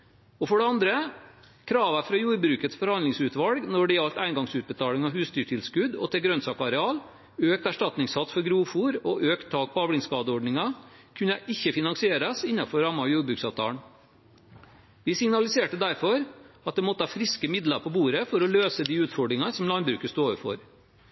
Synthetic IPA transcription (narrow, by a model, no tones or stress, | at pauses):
ɔfɔɖɛɑnd̪ɾə | kʰɾɑːʋæfɾɑjuːɾbɾʉːkət̪sfɔɾhɑnd̪lɪŋsʉːt̪ʋɑlɡnɔɖɪɑlt̪æɪnɡɑŋsʉːt̪̚bət̪ʰɑːlɪŋɑʋɦʉːst̪yːʈʰɪlskʉd̪ɔ̰t̪ʰɪlɡɾœnsɑːkɑɾɛɑːl | øːk̚t̪æʂʈɑt̪nɪŋshɑt̪ːfɔɾɡɾuːfuːɾɔʔøːkt̪ʰːɑːk̚pʰɔɑːʋlɪŋskɑːd̪əɔɖɳɪŋɑkʰʉnɛʔɪçːəfɪnɑŋsɪeːɾɑsɪnːɑfɔɾɑmːɑjuːɾbɾʉːksɑːʋt̪ʰɑ̰ːɳ | ʋɪsɪŋnɑlɪseːʈəd̪æɾfɔɾɑt̪̚d̪ɛmɔt̪ːəhɑfɾɪskəmɪd̪ləpʰɔbuːɾəfɔɾɔløːsəd̪iːʉːt̪fɔɖɾɪŋɑsɔmlɑnbɾʉ̰ːkəst̪oːʋəfɔ̰ɾ